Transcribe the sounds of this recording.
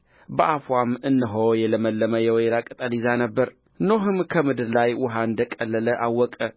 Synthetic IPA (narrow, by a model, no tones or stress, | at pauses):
bəʔafwamɨnːɨɦowjɛləməlːəməjɛwjɛlakʼət̪ʼəlizanəbːəɾ | noɦɨmkʰəmɨd̪ɨɾlajwʊɦaɨnd̪əkʼəlːələʔawːɔkʼə